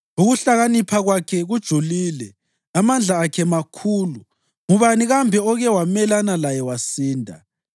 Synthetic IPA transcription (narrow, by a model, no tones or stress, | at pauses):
uɣuɬaɣanipʰaɣwakʰɛɣud̥ʒ̥ʱuliːlɛ | amand͡ɮʱaːkʰɛmakʰuːlu | ŋuβaniɣambʱɛɔɣɛwamɛlanalajɛwasiːndʱa̰